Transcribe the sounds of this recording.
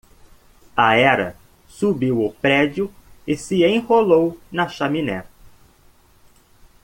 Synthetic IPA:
ɐɛɾɐ̰ | subiwʊpɾɛd͡ʒjʊɪsɪẽj̃holownɐʃaminɛ̰

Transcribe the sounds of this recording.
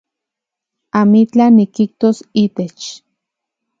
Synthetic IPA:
amit͡ɬanikiht̪osiːt̪et͡ʃ

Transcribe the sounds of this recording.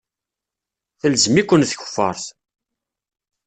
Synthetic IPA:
θəlzmikʷːənθçə̥fːɑ̰ɾˤθ

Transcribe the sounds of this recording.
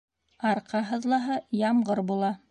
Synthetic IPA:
ɑɾqɑɦɤ̆ðlˠɑɦɤjɑmɢɤɾbulˠɑ

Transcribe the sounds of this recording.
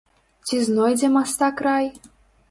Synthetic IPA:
t͡sʲiznojd̪ʲemɑst̪ɑkrɑj

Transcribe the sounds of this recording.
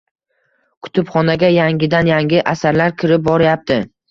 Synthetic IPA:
kʰʊ̥t̪ʰɪpχɒnaɡʲajaŋɡʲɪd̪anjaŋɡʲɪʔasaɾlaɾkʲʰɪɾɪp̚bɒɾɪjap̚t̪ɪ

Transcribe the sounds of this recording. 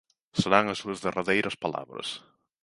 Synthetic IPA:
seɾaŋɐsuɐzðerʔaðejɾʔɐspala̰βɾɐ̰s

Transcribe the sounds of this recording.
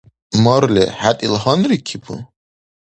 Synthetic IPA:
mɔɾlʲɛ̰ħat̪ʼilhɔnɾikʰipʰṵ

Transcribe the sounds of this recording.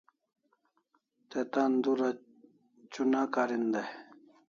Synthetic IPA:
t̪et̪and̪uɾa | t͡ɕunaːkaɾind̪e

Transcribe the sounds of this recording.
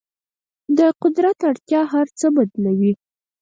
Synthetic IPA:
d̪əqʊd̪ɾat̪aɽt̪jɑɦaɾt͡səbad̪nawi

